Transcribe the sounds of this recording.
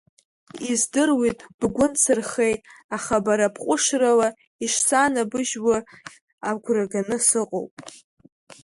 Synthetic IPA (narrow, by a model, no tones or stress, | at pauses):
izdɨrwitʼb̥ɡʷʊnt͡sʰɨrχejtʼaχabaɾapʰqʷʼʊʂrala | iʂsanabɨʒwa | aɡʷraɡanɨsɨqʼo̰wpʼ